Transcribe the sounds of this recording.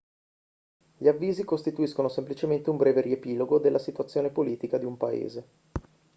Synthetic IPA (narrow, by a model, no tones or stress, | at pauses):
ʎiavːiːzikost̪it̪uiskonosemplit͡ʃement̪eumbɾɛːveɾiepiːloɡod̪elːasit̪uat̪sːjoːnepoliːt̪ikad̪iumpaḛːze